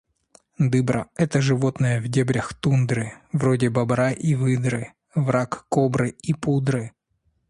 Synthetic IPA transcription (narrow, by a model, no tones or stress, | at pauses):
d̪ɨbɾə̰ɛt̪əʐɨvo̞t̪nəjəvdʲebɾʲəxt̪und̪ɾɨvɾodʲɪbɐbɾaʔivɨd̪ɾɨ | vɾakkːobɾɨipud̪ɾɨ